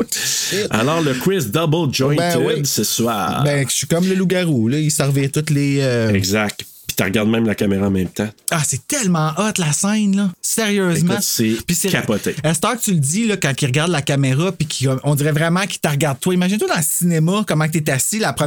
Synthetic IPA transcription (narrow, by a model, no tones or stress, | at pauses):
a̰lɔːʁləkwɪsd̪ɔbəld͡ʒɔ̃j̃ɛwɪd̪səswa̰ːbɛ̃sikɔmləluɡaʁolɔisɛʁviʁt̪ʊt̪leøɛɡzak̚t̪ | pi̥t̪ə̰ʁɡaʁd̪̚mɛ̃ɪmlakameʁaɑ̃mɛ̃mt̪ãasɛt̪ɛlmɑ̃ʔɔt̪lasɛ̃ɪnləseʁjøːzmaʊ̃ssɛpisɛkapɔt̪eɛst̪ɑːt̪yld͡z̪ilʌkɑ̃kiʁɡaʁd̪lakameʁapikʰʲi̥kʔɔ̃d̪iʁɛvʁɛmɑ̃ki̥t̪əʁɡaʁd̪̚t̪waimaʒinet̪wad̪ɑ̃ləsinemakʌmɑ̃kt̪ɛt̪̬asilapχə